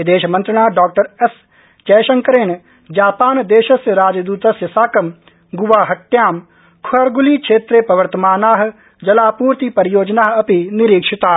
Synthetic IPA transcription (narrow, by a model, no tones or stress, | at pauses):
id̪eːʃmɐ̃nt̪ɾəɳ̃aːɖaːk̚ʈəɾes | t͡ʃɛːʃɐ̃ŋkəɾeːɳ | d͡ʒaːpaːnd̪eːʃɐsjəɾaːd͡ʒd̪uːt̪ɐsjəsaːkɐm | ɡʊʋaːɦɐʈːjaːm | kʰʊɐɾɡʊlikʃʰeːt̪ɾepɾɐʋəɾt̪əmaːnaːɦ | d͡ʒɐlaːpuːɾt̪ipɐɾjoːd͡ʒnaːɦɐpinɪɾiːkʃɪt̪aː